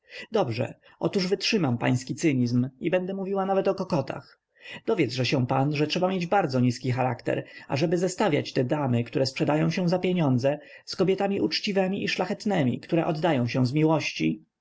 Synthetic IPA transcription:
d̪ɔbʐɛ̰ | ɔt̪uʐvɘtʂɘmampa̰j̃skʲit̪sɘɲizmibɛnd̪ɛmuvʲiwanavɛt̪ɔkɔkɔt̪ʰa̰x | d̪ɔvʲjɛt̪zʐɛɕɛw̃panʐɛtʂɛbamʲjed͡ʑbaɾd̪zɔɲiskʲixaɾakt̪ɛ̰ɾaʐɛbɘzɛst̪avʲja̰t͡ɕt̪ɛd̪amɘkt̪uɾɛspʂɛd̪ajɔ̃w̃ɕɛw̃zapʲjeɲɔnd̪zɛ | skɔbʲjɛt̪amʲiʔut͡ʂt͡ɕivɛmʲiʔiʂlaxɛt̪nɛmʲḭkt̪uɾɛʔɔd̪ːajɔ̃w̃ɕɛ̃zmʲiwɔɕt͡ɕḭ

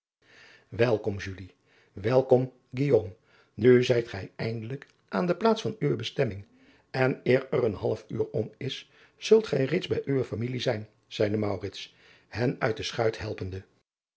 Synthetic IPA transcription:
ʋɛlˠkɔmʒyli | ʋɛlˠkɔm | ɡijoːm | nyzɛjtχɛjɛjndələk | ʔaːndəplaːtsfɑnyʋəbəstɛmɪŋ | ɛnɪːɹɛrənɦɑlˠəfyːɹɔmɪs | z̥ɵlˠtχɛjrejtdzbɛjʔyʋəfamilizɛjn | z̥ɛjdəmɑwrɪts | hɛnœ̰ɥt̚dəsχœɥtɦɛlˠpəndə

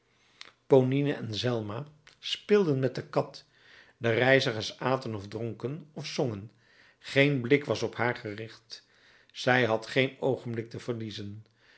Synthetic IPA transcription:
poninəʔɛnzɛlˠmaːspɪlˠdənmɛt̚dəkɑt | dərɛjzəχəɹsaːtənɔvdrɔŋkənɔfsɔŋən | χejnblɪkʋɑsɔpɦaːɹχərɪχt | z̥ɛjɦɑtχejnowχənblɪk̚təv̥əɹlizən

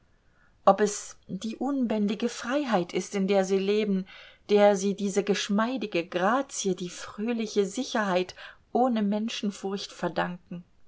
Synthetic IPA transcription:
ʔɔpɛsd̥iːʔʊnbɛndɪɡəfʁ̥aɪɦaɪtʰɪstɪndeːɐziːleːbn̩d̥eːɐziːdiːzəɡəʃmaɪdɪɡəɡʁaːt͡siədiːfʁ̥øːlɪçəzɪçɐɦaɪtʔoːnəmɛnʃn̩fʊɐçtfɛɐdaŋkŋ̩

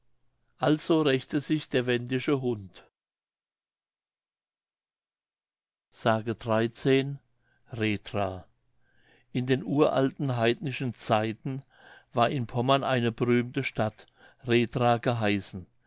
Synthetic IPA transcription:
ʔalz̥oːʁɛçtəzɪçd̥eːɐvɛndɪʃəɦʊnt | z̥aːɡədʁaɪt͡seːn | ʁeːdʁaː | ʔɪndeːnʔuːɐʔaltn̩ɦaɪdnɪʃn̩t͡saɪtn̩ | vaːɐʔɪnpʰɔmɐnʔaɪnəbəʁyːmtəʃtat | ʁeːtʁaːɡəɦaɪsn̩

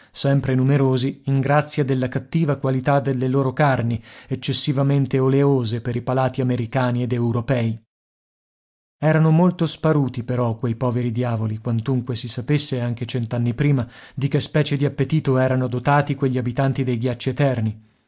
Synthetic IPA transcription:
sɛmpɾenumeɾoːziiŋɡɾat̪sːjad̪elːakat̪ːiːvakwalit̪ad̪elːeloːɾokarniet͡ʃːesːivament̪eoleoːzepeɾipalaːt̪iameɾikaːnied̪ewɾopɛːi | ɛːɾanomolt̪ospaɾuːt̪ipeɾɔkwejpɔːveɾid̪jaːvolikwant̪uŋkwesisapesːeaŋk̟et͡ʃɛnt̪anːipɾiːmad̪ikespɛːt͡ʃed̪iapːet̪iːt̪oɛːɾanod̪ot̪aːt̪ikweʎːiabit̪ant̪id̪ejɡjat͡ʃːiet̪ɛrni

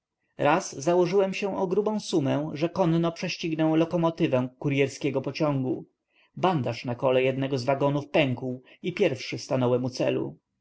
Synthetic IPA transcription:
ɾaszawɔʐɘwɛmɕɛ̃ʔɔɡɾubɔ̃w̃sumɛʐɛkɔnnɔpʂɛɕt͡ɕiɡnɛw̃lɔkɔmɔt̪ɘvɛ̃kuɾjɛɾskʲɛɡɔpɔt͡ɕɔ̃ŋɡu | band̪aʂnakɔlɛjɛd̪nɛɡɔzvaɡɔnufpɛŋkuw | ipʲjɛɾfʂɘst̪anɔwɛmut̪sɛ̰lṵ

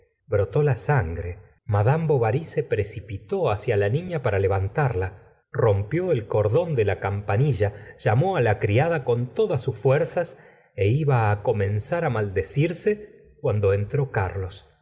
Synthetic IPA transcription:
bɾo̞t̪o̞lasaŋɡɾe | maðamboβaɾisepɾesipit̪o̞asjalanĩɲapaɾale̞βant̪aɾla | ro̞mpjo̞elko̞ɾðo̞nd̪elakampaniʒaʒ̥amo̞alakɾiaðako̞nt̪oðasːusfwɛɾsas | eiβaːko̞mẽ̞nsaɾamald̪esiɾse | kwand̪o̞ent̪ɾo̞kaɾlo̞s

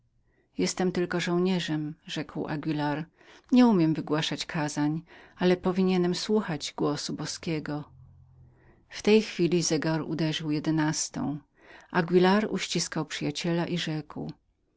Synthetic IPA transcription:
jɛst̪ɛmt̪ɘlkɔʐɔ̃w̃ɲɛʐɛmʐɛkwʔa̰ɡʲwʲilaɾ | ɲɛumʲjɛmvɘɡwaʂat͡ɕkʰazaɲalɛpɔvʲiɲɛnɛmswuxad͡ʑɡwɔsubɔskʲɛɡɔ | ft̪ɛjxfʲilʲizɛɡaɾṵd̪ɛʐɘwjɛd̪ɛnast̪ɔ̰̃w̃ | ʔaɡʲwilaɾṵɕt͡ɕiskawpʂɘjat͡ɕɛlaʔiʐɛkw

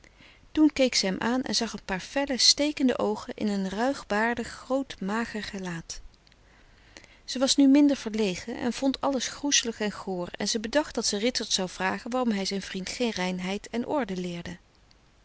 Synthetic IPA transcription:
tunkejksəɦɛmʔaːnʔɛ̰nzɑχənpaːɹfɛləstejkəndə̰ʔowχənʔɪ̰nənrœɥχbaːɹdəχːrowtmaːχərχəlaːt | z̥əʋɑsnymɪndəɹv̥əɹlejχəʔɛ̰nv̥ɔntʰɑləsχrusələχɛnχoːrɛ̰nzəbədɑχt̚d̥ɑtsərɪtəɹtsɑwv̥raːχənʋaːrɔmɦɛjzɛjnvrintχejnrɛjnɦɛjtɛnʔɔ̰ɹdəlɪːɹdə

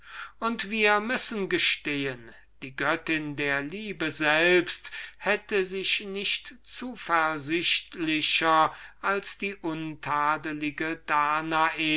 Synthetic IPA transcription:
ʔʊntv̥iːɐmʏsənɡəʃteːən | d̥iːɡœtɪndeːɐliːbəzɛlpsthɛtəzɪʃnɪʃtt͡suːfɛɐzɪʃtlɪɕɐʔalsd̥iːʔʊntʰaːdəlɪɡədaːnaʔeː

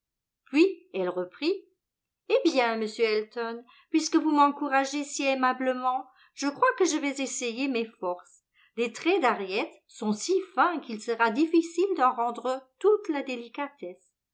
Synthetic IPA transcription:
pɥiɛlʁəpχi | ebjɛ̃məsjøɛlt̪ɔn | pɥiskəvumɑ̃kuʁaʒesiemabləmɑ̃ | ʒ̥əkχwakəʒəvɛzesejemefɔʁs | let̪χɛd̪aʁjɛt̪ | sɔ̃sifɛ̃kilsəʁad̪ifisild̪ɑ̃ʁɑ̃d̪ʁət̪ut̪lad̪elikat̪ɛs

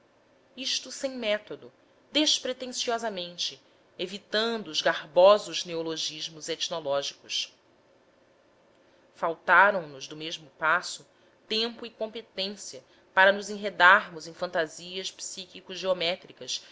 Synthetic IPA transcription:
iʃt̪ʊsẽj̃mɛt̪od̪ʊ | d̪eʃpɾet̪ẽsiɔzɐmẽnt͡ʃɪ | evit̪ɐ̃nd̪ʊːzɡahbɔzʊʒneoloʒiʒmʊzet͡ʃnolɔʒikʊʃ | fawt̪aɾɐ̃w̃nʊzd̪ʊmeʒmʊpasʊ | t̪ẽmpʊikõmpet̪ẽsiɐ | paɾɐnʊzẽj̃ɦed̪aɾmʊzẽj̃fɐ̃nt̪aziɐʃpsikikʊʒeomɛt̪ɾikɐs

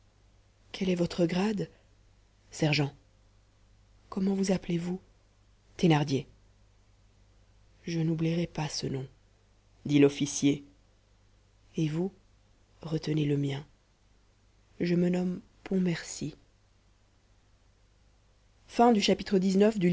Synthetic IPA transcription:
kʰɛlɛvɔt̪χəɡʁad̪ | sɛʁʒɑ̃ | kɔmɑ̃vuzaplevu | t̪enaʁd̪je | ʒənubliʁɛpasənɔ̃ | d̪ilɔfisje | evu | ʁət̪əneləmjɛ̃ | ʒəmənɔm | pʰɔ̃mɛʁsi | fɛ̃d̪yʃapit̪χəd̪iznœfd̪y

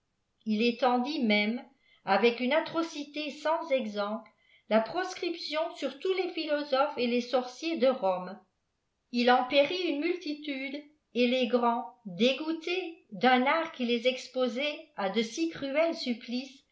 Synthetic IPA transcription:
ilet̪ɑ̃d̪imɛm | avɛkynat̪χɔsit̪esɑ̃zɛɡzɑ̃plə | lapχɔskχipsjɔ̃syʁt̪ulefilɔzɔfelesɔʁsjed̪əʁɔm | ilɑ̃peʁiynmylt̪it̪yd̪ | eleɡʁɑ̃d̪eɡut̪ed̪œ̃naːʁkilezɛkspozɛad̪əsikχyɛlsyplis

